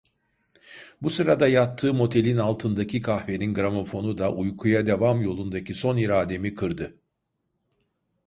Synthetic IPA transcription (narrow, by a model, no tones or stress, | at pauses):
busɯɾad̪ajat̪ʰːɯːmo̞t̪ʰe̞lʲinalˠt̪ʰɯnd̪acʰikʰahve̞ninɡɾamo̞fo̞nud̪aʔujkʰujad̪e̞vamjo̞lˠund̪acʰiso̞niɾaːd̪e̞mikʰɯɾd̪ɯ